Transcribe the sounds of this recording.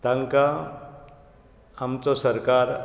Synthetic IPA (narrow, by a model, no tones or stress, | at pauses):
t̪aŋka | mt͡sɔsəɾkaɾ